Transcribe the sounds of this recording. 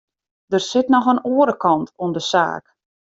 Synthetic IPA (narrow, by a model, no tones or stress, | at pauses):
d̥ərsɪtnɔxənoəɾəkɑntʰuəndəsa̰ːk